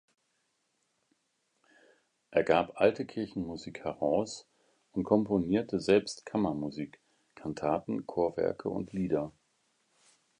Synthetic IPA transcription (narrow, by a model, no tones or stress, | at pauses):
ʔeːɐɡaːpʔaltəkʰɪɐçn̩muziːkhɛʁaʊs | ʔʊntkʰɔmponiːɐtəzɛlpstkʰamɐmuziːk | kʰantʰaːtn̩kʰoːɐvɛ̰ɐkʰə̰ʊ̰ntʰliːdɐ